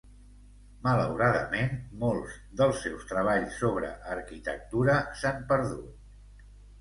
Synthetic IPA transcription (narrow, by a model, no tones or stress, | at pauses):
mələwɾaðə̰menmolˠz | ðəlˠsːɛwst̪ɾəβ̞aʎsːoβ̞ɾə̰ʔːɾkit̪ə̰k̚t̪uɾəsampəɾðut̪̚